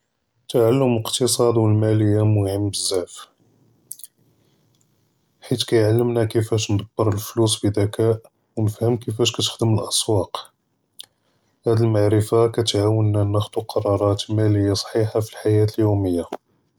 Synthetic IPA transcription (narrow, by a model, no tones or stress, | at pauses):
t̪aʕalːəmlqt̪əsˤɑd̪wəlmæləjːamʊhəmbəzːæʕf | ħit̪kæjʕalːəmnækəfæʃnd̪ˤɑb̥ːəɾˤəlflus̬ˤbid̪ækæ | wnəfhəmkəfæʃkæt̪ə̥xd̪əməlʔɑsˤwɑq | hæd̪əlmaʕɾəfakæt̪ʕawənːænːəxd̪wəqʰɑɾˤɑɾˤɑt̪mæləjːasˤħiħafilħajæt̪əljuməjːa